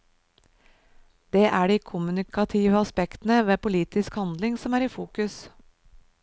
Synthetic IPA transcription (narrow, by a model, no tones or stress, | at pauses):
d̪̥eːʔæːɖiːkʰʊmʉnɪkɑt̪ʰiːʋəɑspɛkt̪n̩əʋeːpʊliːt̪ɪskhɑnd̪lɪŋsɔmæːɾiːfuːkʉs